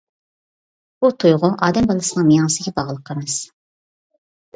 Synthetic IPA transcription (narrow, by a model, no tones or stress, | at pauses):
b̥ut̪ʰujʁʊʔɑːd̪ɛmbɑlˠɨsɨnɨŋmijɑnɨsɨɡʲɛbɑʁlˠəqʰːəɾmɨz̥